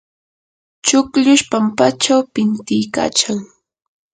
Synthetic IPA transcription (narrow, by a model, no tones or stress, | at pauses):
t͡ʃʊkʎʊʃpampat͡ʃawpɪnt̪ɪjka̰ːt͡ʃaŋ